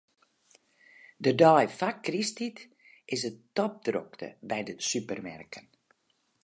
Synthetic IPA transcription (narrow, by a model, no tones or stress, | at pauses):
dədɔjfakristit | ɪsətɔp̚dro̰ktə̰bɛjdəsypərmɛ̰rkən